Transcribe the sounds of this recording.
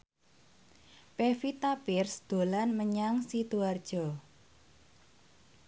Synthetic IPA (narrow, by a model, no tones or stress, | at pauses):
pefit̪apɪrsd̪̥o̤lanməɲaŋsit̪uard̥ʒ̥ɔ